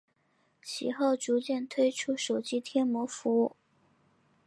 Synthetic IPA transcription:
t͡ɕʰḭ˨˩xo˥˩ʊʈ͡ʂu˧˥t͡ɕjɛ˥˩nt̪ʰwe˥ɪʈ͡ʂʰu˥ʂo˨˩ʊt͡ɕi˥t̪ʰjɛ˥nmwɔ˧˥fu˧˥u˥˩

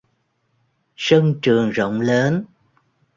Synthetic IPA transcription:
sə˧ŋt͡ɕɨ˨˩əŋzo̰˧˨wŋ͡mləː˨˦n

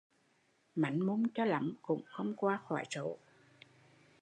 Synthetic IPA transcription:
ma̰˨˩˦jŋmu˧nt͡ɕɔ˧la̰˨˦mkʊ̰˧˥ŋ͡mxə˧wŋ͡mkwaː˧xwaː˧˩jso̰˧˨

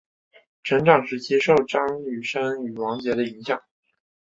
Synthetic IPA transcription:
ʈ͡ʂʰɤ˧˥ŋʈ͡ʂɑ˨˩ŋʂɻ̩˥˩t͡ɕjɛ˥ʂo˥˩ʊʈ͡ʂɑ˥ŋy˨˩ʂa˥ny˨˩wɑ˧˥ŋt͡ɕjɛ˧˥d̪ə˧i˧˥ŋɕjɑ˨˩ŋ

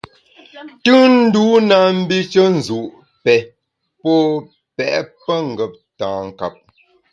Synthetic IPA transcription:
tɨ˦n̩˦du˦na˨m̩˦bi˦t͡ʃə˦n̩˨zu˨ʔ | pɛ˨ | pɔ˦ | pɛ̰˨ʔpə˦ŋ̩˨ɡə˨p̚tãː˨ŋ̩˨ka˨p̚

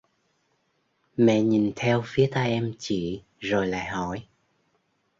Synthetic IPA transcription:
mɛ̰˧˨ɲi˨˩nt̪ʰɛ˧wfi˨˦ət̪aː˧jʔɛ˧mt͡ɕḭ˧˨ | zo˨˩jla̰ː˧˨jɦɔ˧˩˨j

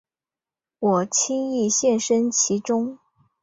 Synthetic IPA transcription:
wɔ˨˩t͡ɕʰi˥ŋi˥˧ɕjɛ˥˩nʂə˥nt͡ɕʰi˧˥ʈ͡ʂʊ˥ŋ

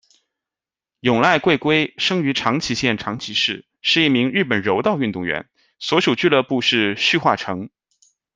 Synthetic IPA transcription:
jʊ˨˩ŋla˥˧ɪkwe˥˩ɪkwe˥ɪʂɤ˥ŋy˧˥ʈ͡ʂʰɑ˧˥ŋt͡ɕʰi˧˥ɕjɛ˥˩nʈ͡ʂʰɑ˧˥ŋt͡ɕʰi˧˥ʂɻ̩˥˩ | ʂɻ̩˥˧i˥˩mi˧˥ŋɻɻ̩˥˩pə˨˩nɻo˧˥ʊt̪ɑ˥˧ʊy˥˧nt̪ʊ˥˩ŋɥɛ̰˧˥n | swɔ˧˥ʂu˨˩t͡ɕy˥˧lɤ˥˧pu˥˧ʂɻ̩˥˧ɕy˥˧xwa˥˩ʈ͡ʂʰɤ˧˥ŋ

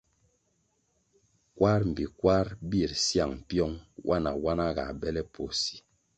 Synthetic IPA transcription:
kwa˦ɾm̩˨bi˨kwa˦ɾbi˦˨ɾsja˨ŋ˨pjɔ˦ŋwʔa˦na̰˨wa˦na˦ɡa̰˨bɛ˦lɛ˦pʰo˨si̥˨˦

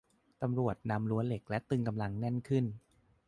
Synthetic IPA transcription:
t̪a˧mɾu˨˩ət̪̚na˧mlu˦˥ənle˨˩k̚lɛ˦˥t̪ɯ˧ŋka˧mla˧ŋnɛ˥˩nkʰɯ˥˩n

